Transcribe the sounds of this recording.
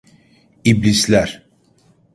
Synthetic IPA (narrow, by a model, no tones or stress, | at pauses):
iblislʲæɾ